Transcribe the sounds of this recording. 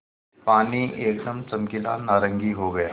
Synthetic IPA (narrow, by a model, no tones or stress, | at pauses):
paniʔekd̪əmt͡səmkila̰naɾəŋɡiːɦoɡəja